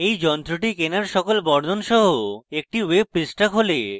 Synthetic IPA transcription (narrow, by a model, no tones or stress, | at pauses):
ejd͡ʑɔnt̪ɾoʈikenaɾʃɔkolbɔɾd̪ʱonʃɔɦoek̚ʈiweb̚pɾisʈakɦole